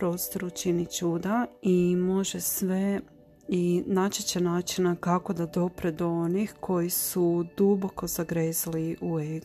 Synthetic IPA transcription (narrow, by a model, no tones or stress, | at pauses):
pɾo̞ːst̪o̞ɾut͡ʃinit͡ʃuːd̪aimo̞ʒesʋe̞ | inat͡ʃit͡ɕenaːt͡ʃinakako̞d̪ad̪o̞pɾed̪oonixkʰo̞jisud̪ubo̞ko̞z̥aɡɾeːzaliʔueɡ